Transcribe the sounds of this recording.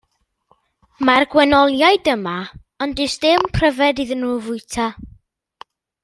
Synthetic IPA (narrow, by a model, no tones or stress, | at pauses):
marɡwɛnɔlˠjaɨdəma | ɔndɪsd̥ɪmpʰr̥əvɛdiðənuːvʊɨtʰa